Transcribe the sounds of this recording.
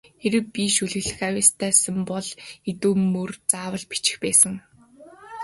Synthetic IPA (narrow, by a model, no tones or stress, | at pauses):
xeɾɘ̆piʃɵɮɘ̆ɣɮɘ̆xawæːst̪ʰæːsə̆mpɔɮet̪uːmɵrt͡saːwə̆ɮpi̥t͡ɕɪ̥̆xpæːsə̆ŋ